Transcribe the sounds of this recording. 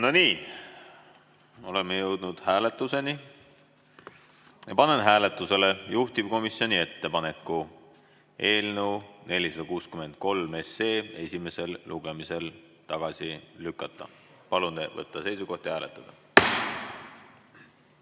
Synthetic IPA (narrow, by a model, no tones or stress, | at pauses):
no̞niː | o̞le̞mejɤwd̪̥nud̪̥hæːle̞t̪ːˑuse̞ni | pɑne̞nɦæːle̞t̪ːˑuse̞lejuht̪ib̥ko̞misjo̞nie̞t̪ːe̞pɑne̞kːˑu | e̞ːlnewne̞lʲisɑd̪̥ɑkuːskyme̞nd̪̥̚ko̞lme̞se̞ːe̞sʲime̞se̞lluɡ̥e̞mise̞l | t̪ɑɡ̥ɑsʲiːykːˑɑt̪ːˑɑ̰ | pɑlund̪̥evɤ̰t̪ːˑɑse̞jsuɡo̞ht̪jhæːlet̪ːˑɑd̪̥ɑ